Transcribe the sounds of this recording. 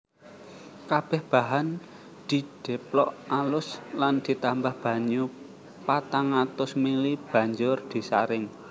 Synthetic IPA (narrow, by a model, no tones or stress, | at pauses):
kab̥ɛhb̥a̤ɦan | d̪̥i̤d̪̥ɛ̤plɔʔalʊsland̪̥i̤t̪ambahb̥ä̤ɲu | pat̪aŋat̪ʊsmelib̥ä̤ɲd͡ʒʊrd̪̥i̤saɾɪŋ